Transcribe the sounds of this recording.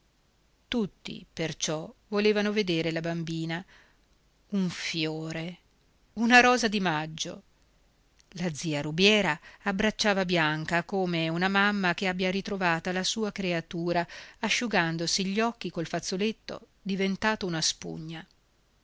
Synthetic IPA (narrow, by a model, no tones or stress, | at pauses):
t̪ut̪ːḭpert͡ʃɔvoleːvanoved̪eːɾelabambiːna | uɱfjoːɾe | unaɾɔːzad̪imad͡ʒːo̰ | lad̪ziːaɾubjɛːɾaːbɾat͡ʃːaːvabjaŋkakoːmeunamamːakeabːjaɾit̪ɾovaːt̪alasuːakɾeat̪uːɾaːʃːuɡand̪osiʎːɔkːikolfat̪sːolet̪ːo̰ | d̪ivent̪aːt̪ounaspṵɲːa